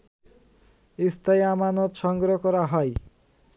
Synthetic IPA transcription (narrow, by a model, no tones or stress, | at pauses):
ist̪ʰajamanot̪ʃɔŋɡɾokɔɾaɦɔj